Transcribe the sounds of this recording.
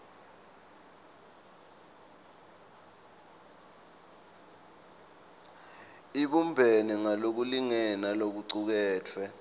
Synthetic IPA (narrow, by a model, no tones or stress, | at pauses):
iɓumbʱeniŋalok̬uliŋɛnalok̬uǀuk̬ɛːtʰwɛ